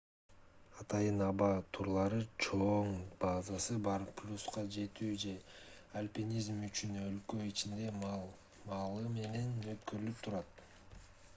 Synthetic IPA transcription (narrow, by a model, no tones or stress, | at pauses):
ɑt̪ɑjɯnɑβɑt̪ʰuɾlˠɑɾɯt͡ʃʰoɴb̥azɑsɯbɑɾplʲusqɑd͡ʒe̞t̪yːd͡ʒe̞ | alʲpʲinʲizmyt͡ʃynø̞lkø̞it͡ʃind̪e̞ | mɑlˠɯme̞ne̞nøt̪̚køɾylyp̚t̪ʰuɾɑt̪